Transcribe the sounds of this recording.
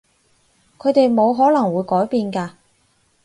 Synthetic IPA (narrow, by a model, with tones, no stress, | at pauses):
kʰɵ˨˧ɥt̪e˨jmo˨˧wɦɔː˨˥lɐ˨˩ŋwuː˨˧jkɔː˨˥jpiː˧nkaː˧